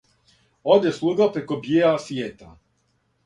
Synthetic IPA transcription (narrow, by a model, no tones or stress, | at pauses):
od̪jeslˠuːɡapɾekobjeasjeːt̪a